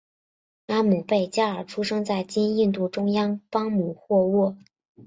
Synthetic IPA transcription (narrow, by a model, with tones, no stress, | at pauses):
a˥mu˨˩pe˥˩ɪt͡ɕja˥ə˞˨˩ʈ͡ʂʰu˥ʂɤ˥ŋt͡sa˥˩ɪt͡ɕi˥ni˥˧nt̪u˥˩ʈ͡ʂʊ˥ŋjɑ˥ŋpɑ˥ŋmu˨˩xwɔ˥˧wɔ˥˩